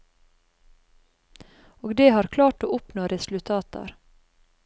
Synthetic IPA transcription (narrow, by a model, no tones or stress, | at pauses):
oːɡd̪eːhɑːɾkʰlɑːʈoːʔʊpnoːɾʔɛsl̩t̪ʰɑːt̪ɑ̰ɾ